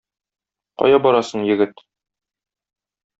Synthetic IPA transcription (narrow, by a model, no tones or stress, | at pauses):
qɒ̰jɑbɒɾɑsɤɴjɘ̆ɡɘt̪